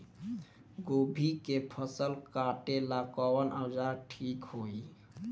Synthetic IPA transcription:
ɡobʱikepʰəsəlkaʈelakɔwənəwd͡ʒaɾʈʰikhoi

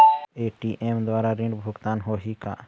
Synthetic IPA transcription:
eːʈiːʔeːmd̪waːɾaɾɪ̃ɳɖbʱʊɡt̪aːnɦoːɦika̰ː

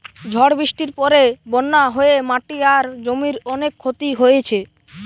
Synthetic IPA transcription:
d͡ʑʱɔɽbɾiʃʈiɾpɔɾebɔnːaɦoemaʈiaɾd͡ʑomiɾɔnekʰːot̪iɦojet͡ɕʰe

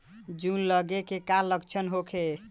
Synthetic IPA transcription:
d͡ʒunləɡekekaləkt͡ʃʰənɦokʰe

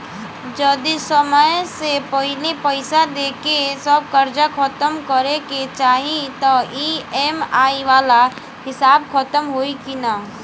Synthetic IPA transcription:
d͡ʒəd̪isəməsepəɦɪlepəɪsad̪eːkesəb̚kɐɾd͡ʒakʰət̪əmkəɾeket͡ʃaːɦĩt̪ɔiːeːmaːiʋaːla | hɪsaːbkʰət̪əmɦoːikina

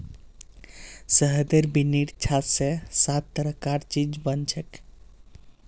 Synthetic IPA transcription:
səɦd̪əɾbiniʈt͡ʃʰat̪sesat̪ːəɾəkaɾt͡ʃid͡ʒbənt͡ʃʰək

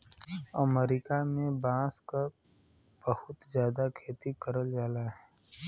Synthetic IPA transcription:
əmeɾɪkamẽbãːska | b̥əhʊt̪zjaːd̪akʰeːt̪ikəɾəld͡ʒaːlaɦɛː

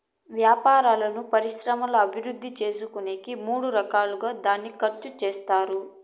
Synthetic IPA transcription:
ʋjaːpaːɾaːlɐnupɐɾiʃɾɐmɐlɐɐbʱiɾud̪ʱːit͡ʃe̞ːsukuneːkimuːɽuɾɐkaːluɡaːd̪aːnːikɐɾt͡ʃut͡ʃeːst̪aːɾu

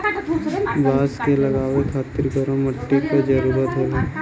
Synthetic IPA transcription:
baːskelɐɡaːʋekʰaːt̪ɪɾkəɾõmɐʈːikod͡ʒəɾuːɾət̪ɦoːle

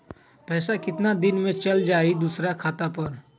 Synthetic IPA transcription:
pɛːsakɪt̪nad̪ɪnmẽt͡ʃɐld͡ʒaːid̪usɾakʰaːt̪apɐɾ

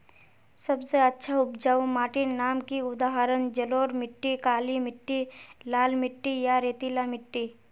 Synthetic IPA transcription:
sɐbseɐtːʃʰaʊpd͡ʒaːʋmaːʈɪnaːmkiʊd̪aːɦaɾənd͡ʒɐloːɾmɪʈːikaːlimɪʈːilaːlmɪʈːijaɾeːt̪ilamɪʈːi

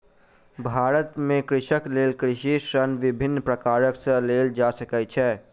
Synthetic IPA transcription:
bʱaɾət̪mẽkɾɪʃəklelkɾɪʃisənʋibʱinːpɾəkaɾəksə̃leld͡ʒasəkɛt͡ʃʰɛ

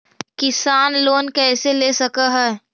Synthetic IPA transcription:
kɪsaːnloːnkɛːseleːsɐkaɦɛː

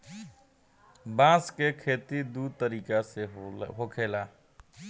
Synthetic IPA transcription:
bãːskekʰeːt̪id̪ud̪̚t̪əɾiːkaseɦokʰeːlaː

